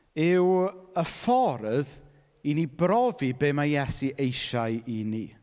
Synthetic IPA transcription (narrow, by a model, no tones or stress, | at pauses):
ɪwəfɔɾð | inibrɔvibeːmajɛsiʔejʃaɨinḭ